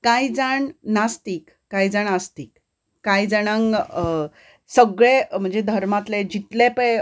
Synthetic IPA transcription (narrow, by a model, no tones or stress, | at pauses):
kajd͡zaɳnast̪iːkːajd͡zaɳəst̪ikː | ajd͡zəɽ̃əŋ | səɡɭem̤əɳd͡zed̪ʱəɾmat̪led͡ʑit̪lepe